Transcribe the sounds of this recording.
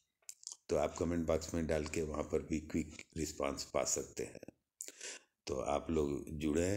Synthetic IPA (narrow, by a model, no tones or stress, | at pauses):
t̪oːaːpkɐmẽɳʈbaːksmẽɖaːlkeʋɐɦãpɐɾbʱikʋɪkɾɪspã̰ːnspa̰ːsɐk̚t̪ḛɦɛ̰̃ː | t̪o̰ːa̰ːploːɡd͡ʒʊɽ̤ẽ